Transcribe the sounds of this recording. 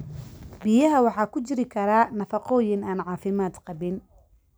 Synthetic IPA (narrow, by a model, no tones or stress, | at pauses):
bijɐɦɐwɑħɑːkʰʊt͡ʃɪɾɪkʰɐɾaːnɐfɑqɔːjɪnaːnʕɑːfɪmaːd̪qɑβɪn